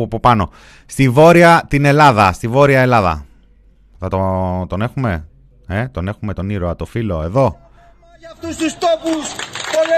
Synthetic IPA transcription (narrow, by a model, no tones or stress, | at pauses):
ɐpo̞pɐno̞ | st̪ivo̞ɾiɐt̪ine̞lɐðɐst̪ivo̞ɾiɐe̞lɐðɐ̰ | θɐt̪ot̪o̞ne̞xume̞ | et̪o̞ne̞xume̞t̪o̞niɾoɐt̪o̞filo̞e̞ðo̞ | ft̪ust̪ust̪opuso